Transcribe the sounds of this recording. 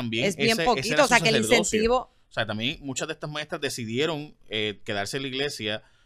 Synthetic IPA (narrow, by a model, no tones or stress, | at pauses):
ambjeesjempokioːs̬eakelinẽnst̪iβo̞ | oseat̪ambje̞ŋmũt͡ʃazðest̪asmãest̪ɾazðe̞siðje̞ɾo̞ŋeke̞ðaɾseliɣle̞sja